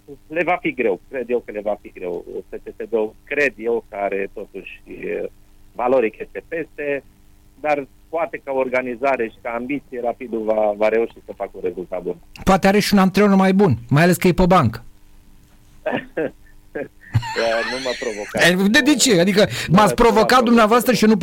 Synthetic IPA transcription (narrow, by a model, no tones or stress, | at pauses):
le̞vafiɡɾe̞wkɾed̪je̞wkəle̞vafiɡɾe̞wsət͡ʃest̪ed̪owkɾe̞d̪je̞wkəaɾe̞t̪o̞t̪uʃʲ | valo̞ɾikest̪e̞pe̞st̪e̞ | d̪ar | poat̪e̞kaorɡanizaɾe̞ʃi̥kaːmbit̪sijeɾapid̪uvavaɾe̞uʃisəfakunɾe̞zult̪at̪̚b̪unpoat̪eaɾeʃiunant̪ɾeormajbunmajale̞skəjepəbaŋkə | ənuməpɾovokad̪ed̪it͡ʃead̪ikəmat̪spɾo̞vo̞kat̪̚d̪umneavoast̪ɾəʃionup